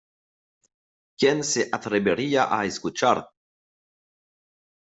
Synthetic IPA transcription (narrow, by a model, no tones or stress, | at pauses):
kjenseʔat̪ɾebeɾiaʔaeskut͡ʃaɾ